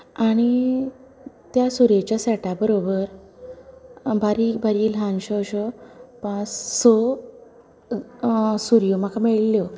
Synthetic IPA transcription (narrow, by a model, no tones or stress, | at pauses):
aɽ̃i | t̪jasuɾet͡ɕjasɛʈabəɾobəɾ | bʱaɾibʱaɾiːlɦãnɕɔɕɔpãt͡ssɔ | suɾjomakamɛɭljo